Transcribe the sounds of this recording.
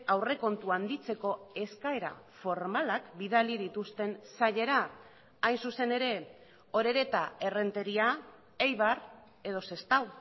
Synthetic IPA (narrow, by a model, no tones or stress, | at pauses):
awre̞ko̞nt̪uand̪it͡se̞ko̞e̞skae̞ɾa̰fo̞ɾmalakbiðalið̞it̪ust̪e̞nsaʎe̞ɾaː | jnsuse̞ne̞ɾe̞ | o̞ɾe̞ɾe̞t̪ae̞re̞nt̪e̞ɾia | ejβar | e̞ð̞o̞se̞st̪aw